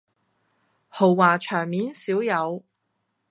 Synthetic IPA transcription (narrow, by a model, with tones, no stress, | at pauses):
ho˨˩wːaː˨˩t͡ʃʰœː˨˩ŋmiː˨˥nsiː˨˥wjɐ˨˧w